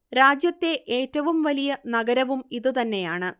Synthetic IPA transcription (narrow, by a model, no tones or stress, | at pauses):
ɾaːd͡ʑjɐt̪ːe̞ʔe̞ːtːɐʋumʋɐlijɐnɐɡɐɾɐʋumiðɨt̪ɐnːe̞jaːɳɨ